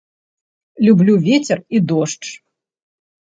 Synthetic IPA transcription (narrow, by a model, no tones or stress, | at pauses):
lʲublʲuvʲet͡sʲɛrid̪ɔʂt͡ʂ